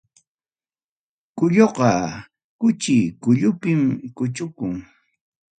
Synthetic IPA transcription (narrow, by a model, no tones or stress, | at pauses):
kʊʎoqɑ | kʊt͡ʃɪkʊʎʊpɪmkʊt͡ʃʊkʊŋ